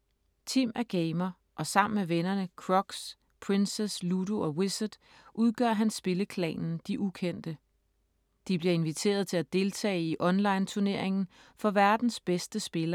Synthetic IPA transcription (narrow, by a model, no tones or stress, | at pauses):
t͡sʰimʔæɡ̥eɪmɐ | ʔɒ̽sɑ̈m̰n̩meʋenɐnəkʰʁɒ̽ɡ̥s | pʰʁensesluduɒ̽wesəd̥ | ʔuð̞ˠɡ̥ɶ̰ɐ̰ɦænsb̥e̝ləkʰlɛ̰ːnn̩d̥iʔukʰen̰d̥ə | d̥ib̥liɐe̝nʋit͡sʰe̝̰ːɐð̞ˠt͡sʰe̝læd̥e̝lt͡sʰɛ̰ːɪiʔɒ̽nlɑ̈ɪnt͡sʰuɐne̝ɐ̰eŋn̩ | fɒ̽ʋæɐd̥n̩sb̥esd̥əsb̥e̝lɐ